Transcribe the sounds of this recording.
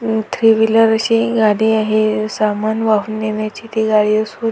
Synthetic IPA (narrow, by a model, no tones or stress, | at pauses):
t̪ʰɾiʋiləɾəɕiɡaɽiːaɦesamanʋaɦuːnːeɳjat͡ɕiːt̪iɡaɽiəsu